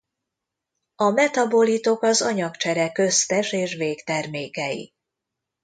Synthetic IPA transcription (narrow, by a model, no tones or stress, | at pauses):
ɒmɛt̪ɒbo̞lit̪o̞kɒzɒɲɒkt͡ʃɛɾɛkøst̪ɛʃeːʃveːkt̪ɛrmeːkɛjḭ